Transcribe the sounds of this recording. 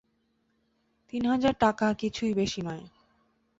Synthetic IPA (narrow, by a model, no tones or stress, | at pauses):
t̪inɦad͡ʑaɾʈakakit͡ɕʰujbeʃinɔe